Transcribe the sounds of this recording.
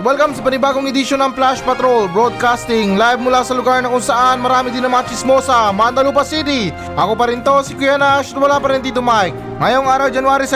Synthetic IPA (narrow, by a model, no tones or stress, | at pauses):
wɛlkɐmsɐpɐnɪbaːɡoŋɪd̪ɪʃonɐŋplaʃpɐt̪ɾolbɾod̪̚kast̪ɪŋlajb̚mʊlasɐlʊɡaɹnɐkʊŋsɐʔanmɐɾaːmɪd̪ɪnɐmat͡ʃɪsmo̞sɐmand̪ɐluːpɐsid̪ɪ | ʔɐkopɐɾɪnt̪o̞sikʊjanaʃt̪wɐlapɐɾɪnt̪it̪ʊmaɪk | ŋɐjoŋaːɾɐwd͡ʒɐnwaːɾɪs